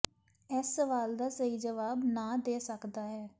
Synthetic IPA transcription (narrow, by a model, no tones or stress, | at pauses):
ɛsːəʋaːld̪aːsəiːd͡ʒəʋaːbnãːd̪eːsəkd̪aːɦɛː